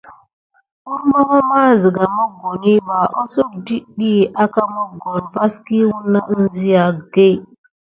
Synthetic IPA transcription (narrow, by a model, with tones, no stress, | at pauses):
u˦ɾmo˦ŋo˦maː˦zi˨ɡa˨mo˦ɡo˨ni˦ba˨ʔo˦so˦k̚di˦ɗi˦ʔa˦ka˦mo˦ɡo˨nva˦ski˦wu˦nːa˦ʔzi˦ja˨ɡe˦